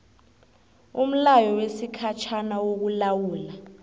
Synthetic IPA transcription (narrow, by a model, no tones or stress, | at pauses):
um̩lajɔwesikʰat͡ʃʰanawok̬ulawuːla